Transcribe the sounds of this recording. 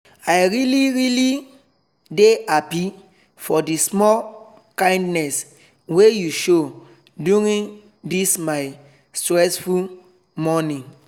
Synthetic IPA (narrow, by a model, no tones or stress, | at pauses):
aɪɹiliɹili | deapi | fɔdismɔl | kãɪ̃ndnɛs | wejuʃo | duɹĩn | dismaɪ | stɹɛsful | mɔnĩ